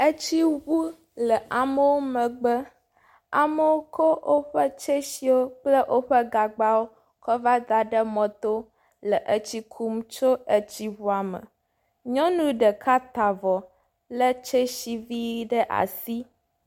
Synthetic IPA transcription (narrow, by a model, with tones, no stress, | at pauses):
ə˦t͡ɕi˦wu˦ | lə˨ʔa˨mə˦wo˦mə̃˨ɡ͡bə˦ | a˨mə˦wo˦kʰo˦o˦ɸə˦t͡ʃe˦ʃi˦wo˦k͡plə˦ʔo˦ɸə˦ɡa˨ɡ͡ba˦wo˦ | kɔ˦va˦ɡa˨ɖə˦mɔ̃˨t̪o˦ | lə˨ʔə˦t͡ɕi˦kʰu˦mt͡ʃo˦ə˦t͡ɕi˦wu˦a˨mə̰̃˨ | ɲɔ̃˦nũ˦ɖə˨ka˦t̪a˨vɔ˨ | lə˦t͡ʃe˦ʃi˨vi˦ɖə˦ʔa̰˨si˦